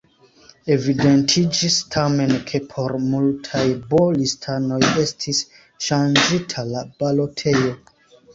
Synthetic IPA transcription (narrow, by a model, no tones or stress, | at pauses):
e̞vide̞ntʰid͡ʒistʰame̞nkʰe̞pʰo̞ɾmultʰajbolistʰano̞je̞stʰis | ʃand͡ʒitʰalab̥alo̞tʰe̞jo̞